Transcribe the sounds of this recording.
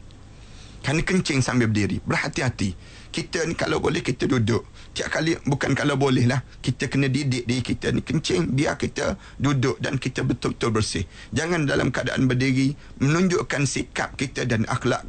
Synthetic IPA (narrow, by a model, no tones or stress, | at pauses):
kanəkəɲt͡ʃɪŋsambɪb̚diɾibərhat̪ihat̪i | kit̪ənika̰lawbolɛhkit̪ədudʊʔ | t̪ia̰ʔkalibukankalawbolɛhlah | kit̪əkənə̃didɪʔ̚diɾikit̪ənikəɲt͡ʃɪŋbia̰kit̪ə | dudʊʔda̰nkit̪əbət̪ʊbət̪ʊlbərsɪh | d͡ʒaŋandala̰mkəada̰ʔa̰nbədiɣi | mənũɲd͡ʒʊʔkansika̰p̚kit̪ədanʔa̰xla̰ʔ